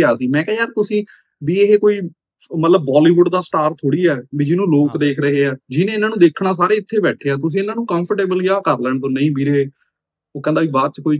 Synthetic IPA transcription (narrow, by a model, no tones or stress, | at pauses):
aːsiːmɛ̃ːkɛ̃ːaːɾt̪ʊsĩː | biːeɦeːkoːiː | mət̪ləbːaːliːʋʊɖd̪aːsʈaːɾt̪ʰoːɽiːɛːbiːd͡ʒɪnũːloːkd̪eːkʰɾəɦeːɛːd͡ʒɪnẽːɪnãːnũːd̪eːkʰnaːs̬aːɾeːɪt̪ʰːeːbɛːʈʰeːaːt̪ʊs̬ĩːɪnãːnũːkə̃mpʰəʈeːbəljaːkəɾləɳt̪oːnəĩːbiːɾɦeː | oːkɛ̃nd̪aːʋiːbaːd̪̚t͡ʃkoːiː